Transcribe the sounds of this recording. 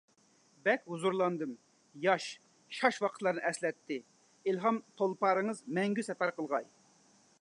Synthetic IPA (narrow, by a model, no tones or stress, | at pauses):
bɛkʲɦuzuɾlˠɑnd̪ɨm | jɑʃ | ʃɑʃwɑqʰət̪lˠɑɾnɨʔɛslɛt̪ʰːɪ | ilɦɑmt̪ʰolˠpɑɾɨŋəzmɛŋɡʲysɛpæɾqʰəlˠʁɑ̰j